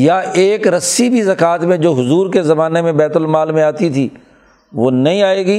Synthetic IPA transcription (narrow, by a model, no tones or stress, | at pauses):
jaeːkɾɐsibʱizɐkaːt̪mẽd͡ʒoːɦʊzuːɾkezɐmaːnemẽbɛːt̪ʊlmaːlmẽaːt̪it̪ʰiː | ʋoːnɐɦĩaːeːɡiː